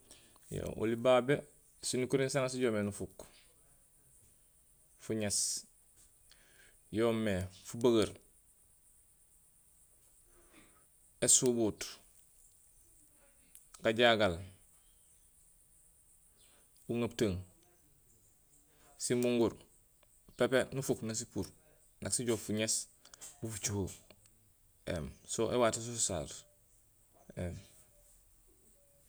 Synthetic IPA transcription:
jo̰ʔṵlibaːbe | sinukuɾinsaŋas̬iɟoːmenufuk | fuɲes | joːmːefubaɡaɾ | esubut | kaɟaɡal | uŋap̚taŋ | simuŋɡuɾ | pepenufuknas̬ipuɾ | naksiɟoːfuɲes | bufut͡ʃuho | ḛmsoʔewatisususa̰ɾ | em

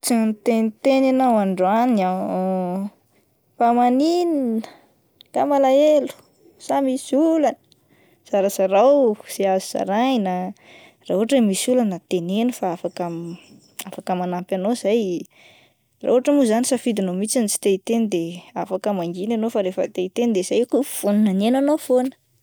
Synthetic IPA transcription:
t͡sinit̪enit̪enanawaɳɖ͡ʐania | pamanininə | k̪amalaelu̥ | samisulanə̥ | z̥aɾasaɾawz̥eaziz̥a̰ɾaɲina | rauɦaʈ͡ʂemisulanət̪enenifaafakam | afakəmanampʲanozaj | ra̰uɦaʈ͡ʂəmuzanisafid̪inomit͡sinit͡si̥t̪et̪end̪eafakəmaŋɡinanofaɾefət̪eit̪end̪ez̥ajkufuninanenanofonə̥

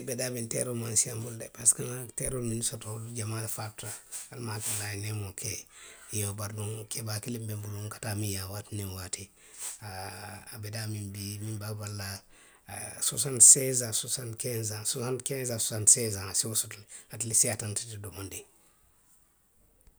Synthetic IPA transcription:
bedaːbintḛɾomansiambuldepaskanteɾolminisotoduɟamalfap̚taalmakalajnemokʰejobaɾduŋkʰebaːkilimbembuluŋkḁtamijawatininwati | aabedamimbimimbabalːa | sosantsezasosantkenzasosantkenzasosantsezaasiwosotlhatilisiatantitidomondi

